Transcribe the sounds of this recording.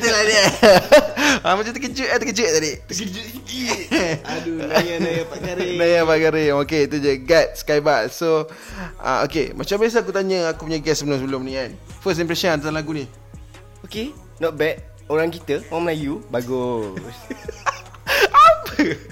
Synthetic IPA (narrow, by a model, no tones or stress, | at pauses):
t̪əladia | amat͡ʃat̪əkət͡ʃuʔat̪əkət͡ʃəʔ̚t̪adit̪kd͡ʒ | adujaajjapaaɾnajapaɡaɾeŋoket̪ud͡ʒəɡat̪̚skajbaʔso | a̰o̰kḛmat͡ʃambias̬əak̬ut̪aɲəakupuɲaɡɛsːəbəlʊmsəbəlʊmnĩanfəstimpɾɛsɔnt̪atalaɡuni | oke | nɔt̪̚bɛt̪̚ | oɾaŋkit̪əwaməlajubaɡʊs | apə